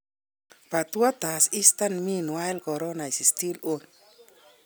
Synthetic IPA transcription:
pa˨t̪wa˦t̪a˨si˦st̪anmi˦nwa˦ɛlkɔ˨ɾɔ˦na˨i˨si˨sti˦lo˦n

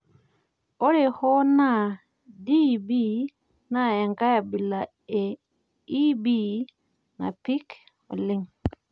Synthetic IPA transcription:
o˦ɾe˨ho˦na˦˨ | di˦bi˦ | na˨e˨ŋka˦ja˨bi˨la˨ | e˨ | i˦bi˦ | na̰˨pi˦k | o̰˨li˦ŋ

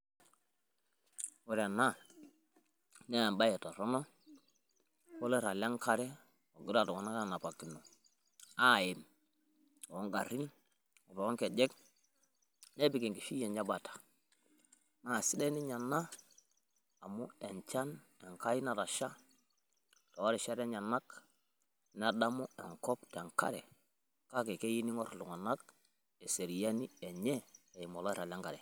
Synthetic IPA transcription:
wɔ˨ɾa˨na˦ | n˦ja˨mba˦jɛ˨ta˨ɾɔ˦nɔ˦ | ko˦lɛ˦ɾa˨la˦ŋka˦ɾɛ˦ | o˨ɡi˦ɾa˦˨tɔ˨kɔ˨na˦ka˦˨na˨pa˨ki˨no˨ | a˦˨je˨m | ɔ˨ɔ˦ŋɡa˨ɾi˦n | ɔ˨ɾɔ˨ɔ˦ŋkɛ˨d͡ʒɛ˦k | nɛ˦bi˨kɛ˨ŋki˨fi˦jɛ˨ɲa˦ba˨tʰḁ˨ | ma˨si˦de˦ni˦ɲa˨nːa˦˨ | mu˦e˨ɲt͡ʃa˦n | e˨ŋka˦ji˦na˨ɾa˨ʃa˦ | to˨wo˦ɾe˨ʃa˦ɾe˦ɲa˨nːa˦k | na˦da˦mu˦e˨ŋkɔ˦pte˨ŋka̰˦ɾḛ˨ | ka˦ke˨ke˦ji˦ni˦ŋo˦ɾlu˨ŋa˨na˦k̚ | e˨se˨ɾi˨ja˦ni˦e˨ɲe˦e˨ji˨mo˨lo˦ɾa˨la˦ŋɡa˨ɾɛ˨

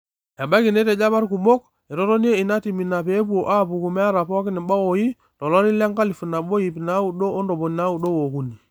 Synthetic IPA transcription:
a˨ba˦ki˨ne˦tɛ˨d͡ʒa˦ba˦ɾku˨mo˦k | e˨ɾɔ˦tɔ˦ni˦e˦i˨na˦ti˨mi˨na˨pe˨˦pu˦o˨ʔa˦˨pu˨ku˨mɛ˦a˦ɾa˨pɔ˦a˦ki˦ni˨ɓa˦wo˨ji˦ | tɔ˨lɔ˦ɾi˦la˦ŋka˦li˨fu˨na˨bo˦ji˨pi˨na˨˦u˨ɗo˦o˦ndo˨bo˨n˨na˦u˨do˦wo˨ku˦ni˨

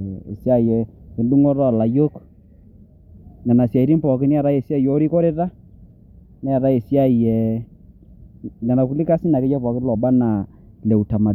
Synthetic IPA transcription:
ḛ˨sja˦˨jɛ˨e˨ndu˦ŋo˦ɾɔ˨la˨jo˦k | na˨na˨sja˨i˨ɾi˦mpɔ˨kɪ˦ni˦a˨ɾa˦e˨sja˦˨jo˨˦ɾi˦kɔ˦ɾe˦ɾa˦ | nɛ˦a˨ɾa˦e˨sja˦˨jɛ˨ | na˨na˨ku˨˦li˦ka˦si˦na˨ke˦t͡ʃɔ˦pɔ˨kɪ˦lɔ˨ba˦na˨ | lɛ˨u˨ta˨ma˨

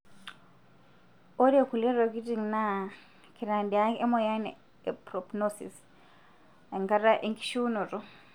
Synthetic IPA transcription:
ɔ˦ɾe˨ku˨lɛ˦ɾɔ˨ki˦ti˨ŋna˦ | kʰi˨ɾa˨ndi˨a˦ɛ˦mɔ˦˨ja˦n | ɛ˨pɾɔ˨pnɔsḭ˨s | a˨ŋka˦ɾa˦ʔe˦ŋki̥˦ʃu˦nɔ˨ɾɔ˦

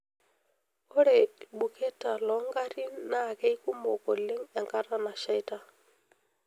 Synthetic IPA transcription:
ɔ˦ɾe˨ɓu˨kʰe˦ta˨lɔ˨˦ŋɡa˦ɾi˦na˦˨kɛ˦i˦ku˦mo˨kɔ˨le˦ŋɛ˨ŋka˦ɾa˦na˨ʃa˦jta˦

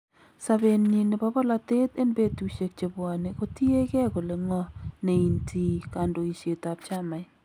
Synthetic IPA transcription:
sa˨be˨nɲi˨nɪ˨ba˦bɔ˦la˨t̪e˦t̪e˦nbe˦tu˨ʃe˨k̚t͡ʃe˨bwa˨ne˨ko˦ti˦e˦kɛ˦ko˨le˨ŋɔ˦ne˨i˨ntʰi˨ka˨ndo˨i˨ʃe˨ta˨p̚t͡ʃa˦ma˨j

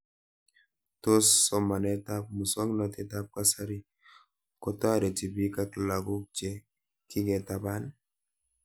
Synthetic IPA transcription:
to˦sːɔ˨ma˨nɛ˦t̪a˦p̚mu˨sɔ˦ŋnɔ˨t̪ɛ˦ta˦p̚ka˦sa˦ɾi˦ | kɔ˨t̪ɔ˦a˨ɾe˨ti˨bi˦ka˦kla˨ɡu˦k̚d͡ʒe˨ | kɪ˦ɡɛ˨t̪a˨ba˦n

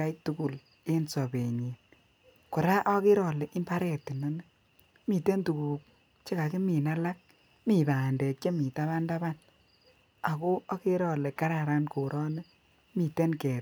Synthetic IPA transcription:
a˦jtu˦ku˨l | e˦nsɔ˨be˨ɲe˨n | kʊ˨ɾa˦ʔɔ˦kɪ˦ɾɔ˨le˨ʔi˦mba˦ɾɛ˨ti˨nɔ˦ne˦ | mi˨te˦ntu˨ku˨k̚ | t͡ʃe˦ka˨ki˦mi˨na˦la˦k̚ | mi˨ba˨nde˨k̚t͡ʃe˦mi˨ta˦βa˦nda˦ba˦n | a˨ko˦a˦ke˦ɾɔ˨le˨ka˦ɾa˨ɾa˦nko˨ɾʔɔ˦ne˦ | mi˨te˦nkɛ˨

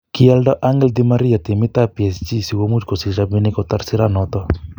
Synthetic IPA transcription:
ki˦a˦ldɔ˦ʔa˦ŋɡɛ˦ld̪i˦ma˦ɾi˦a˨t̪e˨mi˦t̪a˦pi˨ɛ˨st͡ʃi˦si˨wo˦mu˦d͡ʒkɔ˨si˨ʃa˨bi˦ni˦kɔ˨t̪a˦ɾsi˦ɾa˦nɔ˨t̪ɔ˦

